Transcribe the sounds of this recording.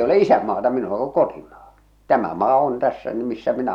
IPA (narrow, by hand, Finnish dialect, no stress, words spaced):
ei ole isæmːɑːtɑ minulɑ ku kotimɑː tæmæ mɑː on tæsːæ ny misːæ minæ